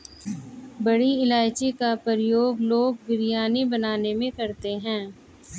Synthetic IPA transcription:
bɐɽiɪlaːɪt͡ʃekapəɾɪjoːɡloːɡ̚bɪɾijaːnibɐnaːnemẽkɐɾt̪eɦɛ̃ː

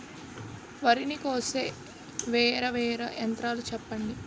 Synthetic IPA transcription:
ʋɐɾinikoːseː | ʋɛːɾɐʋɛːɾɐjɐnt̪ɾaːlut͡ʃɛpːɐɳɖi

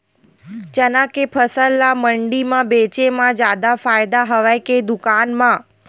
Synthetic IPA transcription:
d͡ʒənãkepʰəsəlːaməɳɖimãbet͡ʃemãd͡ʒjad̪afajd̪aɦəʋajked̪ʊkanmã

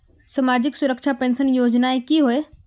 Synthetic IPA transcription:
sɐmaːd͡ʑɪksʊɾəkʃʰapẽːnsənjoːd͡ʑnaekiɦoe

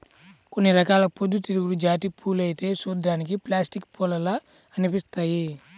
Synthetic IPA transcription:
ko̞nːiɾɐkaːlɐpod̪ːut̪iɾuɡuɽud͡ʒaːʈ̬ipʰuːlɐjit̪e̞ːsuːd̪ːaːnik̬iplaːsʈikpɔlɐlaː | ɐnipist̪aːji

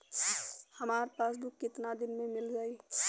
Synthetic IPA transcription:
həmaːɾpaːsbikːɪt̪nad̪ɪnmẽmɪld͡ʒaːi

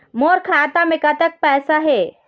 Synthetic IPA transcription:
moːɾkʰaːt̪amẽkat̪ək̚pɛːsaɦeː

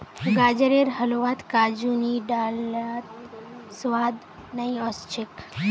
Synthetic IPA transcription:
ɡaːd͡ʒəɾeɾɦɐloʋat̪kaːd͡ʒuniɖaːlat̪sʋaːd̪ | nɐiɔst͡ʃʰɪk

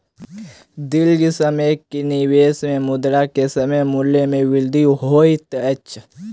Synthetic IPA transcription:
d̪ɪld͡ʒisəmekiniweːsmẽmʊd̪ɾakesɐməjmʊlːemẽwɪld̪ʱiɦoːit̪ət͡ʃʰ

